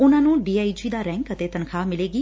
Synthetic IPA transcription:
ʊnãːnũːɖiːaːid͡ʒiːd̪aːɾɛ̃ːŋkət̪eːt̪ənkʰaːmɪleːɡiː

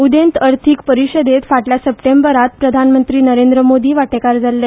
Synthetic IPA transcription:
ud̪ent̪əɾt̪ʰikpəɾiɕəd̪et̪faʈljasəpʈembəɾat̪pɾəd̪ʱanmənt̪ɾiːnəɾend̪ɾəmod̪iːʋaʈekaɾd͡zalːe

